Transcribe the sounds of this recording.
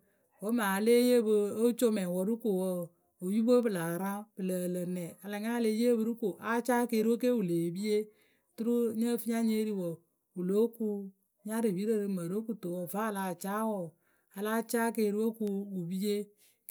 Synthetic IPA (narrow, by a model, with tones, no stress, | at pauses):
wo˨˦maː˨˦le˦je˦bɨ˦˧o˦t͡ʃo˦mɛ˨wɔ˨ɾu˦ko˨wɔ˦ | o˨ju˦bə˦bɨ˨la˨ɾã˦bɨ˨lə˨lə˨nɛ˨a˨la˨ŋa˦le˧˦je˦bɨ˦ɾu˦ko˨ʔa˦t͡ʃaː˦ke˧˨ɾi˦wo˦ke˦wu˨leː˨bi˦je˦˨ | tu˦ɾu˦ɲə˦fi˦ɲa˦ɲe˦ɾi˨wɔ˨ | u˨lo˦ku˧ | ɲa˦ɾi˨bi˨˦ɾə˦˨ɾɨ˧˦mə˨ɾo˦ku˨to˨wɔ˨va˦˨la˨t͡ʃa˦wɔ˨ | a˨la˦t͡ʃaː˦ke˧˨ɾi˦wo˦ku˧u˨bi˦je˦